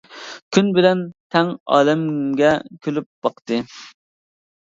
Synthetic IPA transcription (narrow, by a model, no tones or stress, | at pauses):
kʲʰynbɪlɛnt̪ʰɛŋɑ̰ːlɛmɡʲɛkʲʰølyp̚b̥ɑqt̪ɨ